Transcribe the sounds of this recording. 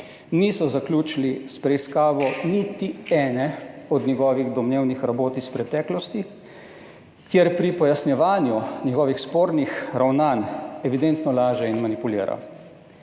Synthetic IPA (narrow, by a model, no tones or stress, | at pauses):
nisɔzaklʲuːt͡ʃilispɾɛiskaːʋɔnit̪iɛːnɛɔd̪ɲʲɛɡɔːʋiɣd̪ɔmneːwnixɾaboːt̪ispɾɛt̪ɛːklɔst̪i | kjɛɾpɾipɔjasnjɛʋaːnjunjɛɡɔːʋixspoːɾnixɾawnaːnɛʋid̪ɛnt̪nɔlaːʒɛinmanipulḭːɾa̰